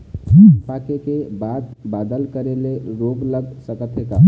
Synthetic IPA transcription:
pakekebaːd̪baːd̪əlkəɾeleɾoːɡləɡsəkət̪ʰɦeka

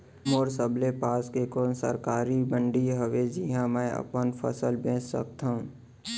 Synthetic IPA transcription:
moːɾsəblepaːskekoːnsə̰ɾkaːɾibə̃ɳɖiɦəʋed͡ʒiɦãmɛ̃ə̰pənfʰə̰səlbʱẽːt͡ʃsə̰kt̪aũ

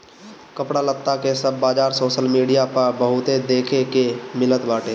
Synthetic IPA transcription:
kəpɽalət̪ːakesəbːaːd͡ʒaːɾsoːʃəlmiːɖijapəɾbəɦʊt̪ed̪eːkʰekemɪlət̪baːʈeː

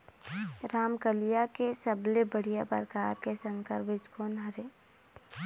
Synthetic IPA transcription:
ɾaːmkəlijakesəblebəɽ̤ija̰pəɾkaːɾkesə̃ŋkəɾpɪd͡ʒkoːnɦəɾe

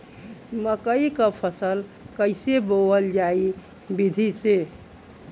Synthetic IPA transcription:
məkəjkə̃pʰəsəl | kəɪsebowəld͡ʒai | bid̪ʱise

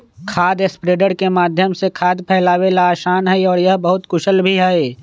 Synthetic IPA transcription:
kʰaːd̪espɾeːɖəɾkemaːd̪ʱjəmsekʰaːd̪pʰɛːlaːʋeːlaːʃaːnɦɛiɔːɾjɐɦbəɦʊt̪kʊʃəlbʱiɦɛe

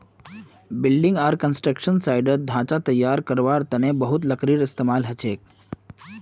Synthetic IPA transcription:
bilɖiŋɡaɾkənsʈɾəkʃənsajɖət̪̚d̪ʱãt͡sat̪əjːaɾkəɾʋaɾt̪ənebəɦut̪ləkɾiːɾist̪emalɦət͡ɕek̚

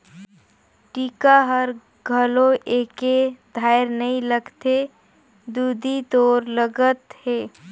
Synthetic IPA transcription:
ʈikaɦəɾ | ɡʱəloʔeked̪ʱaɪɾnəĩləɡt̪e | d̪ud̪ʱit̪oːɾləɡət̪heː

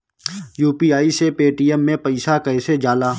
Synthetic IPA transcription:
juːpiːaːisepeːʈiːɛmːẽpɐɪsakəɪsed͡ʒaːlaː

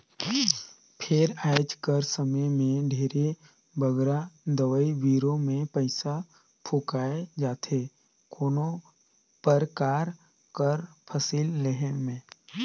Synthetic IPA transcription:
pʰɪɾaːɪd͡ʒkəɾsəməjmẽɖʱeːɾe | bəɡɾad̪əʋəiʋiːɾomẽpəɪsa | pʰoːkaːed͡ʒaːt̪ʰe | kʰoːnõ | pəɾkaːɾ | kəɾpʰəsilːeɦemẽ

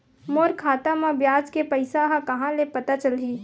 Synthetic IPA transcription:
moːɾkʰaːt̪amãbjaːd͡ʒkepɐɪsaɦãkɐɦãlepɐt̪at͡ʃɐlɦiː

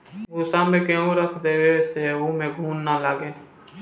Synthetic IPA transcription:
ɡusãːmẽkẽũɾəkʰd̪eːweːseuːmẽːɡʱuːnːaːlaːɡeː

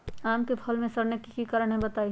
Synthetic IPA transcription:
amkepʰəlmẽsəɾnekːikikaːɾəɳɦẽbət̪ai

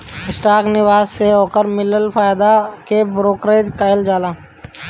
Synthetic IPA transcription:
ɪsʈaːknɪʋaːsːeɦoːkəɾmɪləlpʰaːjd̪akebɾoːkɾeːɪt̪kaːɪld͡ʒaːlaː

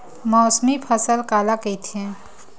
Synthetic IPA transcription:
mɔːsmipʰəsəlkaːlakeit̪ʰiɛ̃

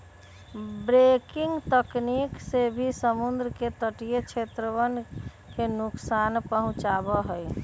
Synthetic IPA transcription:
bɾekiŋɡt̪əkniksebʱisəmund̪ɾəket̪əʈijet͡ʃʰet̪ɾəwən | kenuksanpəɦũt͡ʃabɔɦəj

